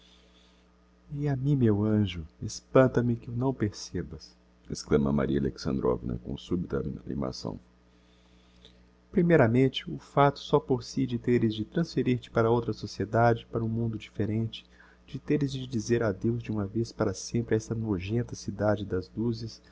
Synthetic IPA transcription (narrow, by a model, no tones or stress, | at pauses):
iamĩmewɐ̃ʒʊespɐ̃nt̪ɐmɪkɪunɐ̃w̃peɾsebɐs | esklɐ̃mɐ̰ma̰ɾiɐa̰lḛksɐ̰̃nd̪ɾɔ̰vinɐ̰kõ̰subit̪ɐnḭma̰sɐ̰̃w̃ | pɾimejɾɐmẽnt͡ʃɪʊfat̪ʊ̥sɔpoɾsid͡ʒɪt̪eɾɪzd͡ʒɪt̪ɾɐ̃sfeɾiɾt͡ʃɪ̥paɾɐowt̪ɾɐsosied̪ad͡ʒɪpaɾɐũmũnd̪ʊd͡ʒifeɾẽt͡ʃɪ̥ | d͡ʒɪt̪eɾɪzd͡ʒɪd͡ʒizeɾad̪ewzd͡ʒɪũmɐvespaɾɐsẽmpɾɪɛst̪ɐnoʒẽnt̪ɐsid̪ad͡ʒɪd̪ɐzd̪uzɪs